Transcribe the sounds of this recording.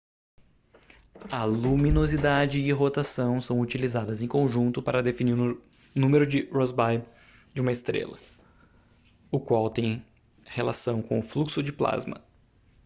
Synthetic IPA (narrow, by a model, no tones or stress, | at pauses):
ɐlumĩnozid̪ad͡ʒɪːɦot̪asɐ̃w̃sɐ̃w̃ut͡ʃilizad̪ɐzẽj̃kõʒũnt̪ʊpaɾɐd̪efiniɾ | nũmeɾʊd͡ʒɪɾɔzbaj | d͡ʒɪũmɐɪst̪ɾḛlɐ̰ | ʊkwawt̪ẽj̃ | helasɐ̃w̃kõ̰ʊfluksʊd͡ʒɪpla̰zmɐ̰